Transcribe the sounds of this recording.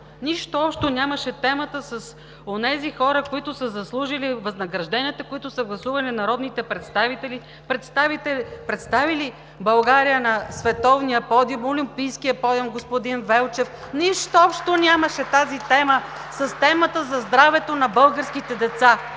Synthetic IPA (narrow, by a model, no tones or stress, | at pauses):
niʃt̪oɔpʃt̪onʲaməʃɛt̪ɛmət̪əsɐs | onɛzixɔɾəkoit̪ʊsəzɐslˠuʒilivɐznɐɡɾɐʒd̪ɛniət̪ɐkoit̪ʊsəɡlˠɐsuvɐlinɐɾɔd̪nit̪ɛpɾɛt̪st̪avit̪ɛli | pɾɛt̪st̪avit̪ɛpɾɛt̪st̪avili | bɐlˠɡaɾijənɐsvɛt̪ɔvnijəpɔd̪molimpijskijəpɔd̪omɡospod̪invɛlˠt͡ʃɛf | niʃt̪oɔpʃt̪onʲaməʃɛt̪azit̪ɛməsɐst̪ɛmət̪əzɐzd̪ɾavɛt̪onɐbɤlˠɡəɾskit̪ɛd̪ɛt̪sa